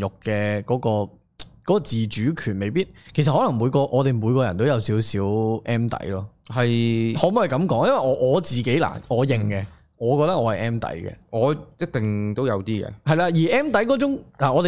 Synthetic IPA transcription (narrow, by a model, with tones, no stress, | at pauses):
jʊ˨˩kːɛ˧kɔː˨˥kɔː˧ | kɔː˨˦˥kɔː˧t͡siː˨t͡ʃyː˨˥kʰyː˨˩nme˨˧jpiː˥t̚kʰjs̬ɐt̚hɔ˨˥lɐ˨˩ŋmuː˨˧jkɔː˧ʔɔː˨˧t̪e˨jmuː˨˧jkɔː˧jɐ˨˩nt̪o˥wjɐ˨˧wsiː˨˥wsiː˨˥wʔɛː˥mt̪ɐ̰˨˥jlɔː˥hɐ˨jhɔː˨˥m˨˥hɐ˨jkɐ˨˧˥mkɔː˨˥ŋjɐ˥nwɐ˨jɔː˨˧ʔɔː˨˧t͡siː˨ke˨˥jla̰ː˨˩ɔː˨˧jɪ˨˩ŋkɛ˧ | ŋɔː˨˧kɔː˧k̚t̪ɐ˥k̚ɔː˨˧hɐ˨jʔɛː˥mt̪ɐ̰˨˥jkɛ̰˧ŋɔː˨˧jɐ˥t̚t̪ɪ˨ŋt̪o˥wjɐ˨˧wt̪iː˥ɡɛ̰˧hɐ˨jlaː˧jiː˨˩ʔɛː˥mt̪̬ɐ˨˥jkɔː˨˥t͡ʃʊ˨˥ŋlaː˨˩ɔː˨˧t̪e˨